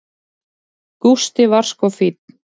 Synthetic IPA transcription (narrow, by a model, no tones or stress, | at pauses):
kust̪ɪvar̥skɔfit̪̚n̥